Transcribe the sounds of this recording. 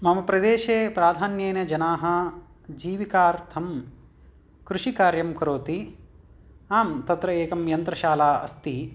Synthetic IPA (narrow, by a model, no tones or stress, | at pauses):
mɐmɐpɾɐd̪eːʃeːpɾaːd̪ʱaːnjeːnɐd͡ʒɐnaːɦɐ̆ | d͡ʒiːʋikaːɾt̪ʰɐm | kɾuʃikaːɾjɐmkɐɾoːt̪i | aːmt̪ɐt̪ɾɐeːkɐmjɐnt̪ɾɐʃaːlaːɐ̰st̪i